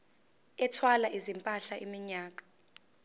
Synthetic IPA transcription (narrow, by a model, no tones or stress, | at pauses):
ɛtʰwalaʔizimpʼaɬaʔimiɲaːk̬ḁ